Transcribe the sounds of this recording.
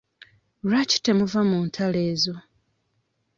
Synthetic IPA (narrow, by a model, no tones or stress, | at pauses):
ɾaci̥temuvamuːntʰale̞ːzo̞